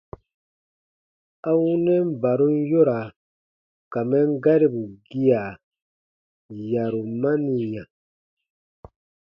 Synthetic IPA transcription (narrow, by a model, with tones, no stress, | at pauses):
a˦wu˦nɛ˦m˦ba˨ɾu˦n˦jo˦ɾa˨ | ka˨mɛ˦ŋ˦ɡa˦ɾi˦bu˨ɡi˦a˨ | ja˨ɾu˨ma˦ni˨ɲã˨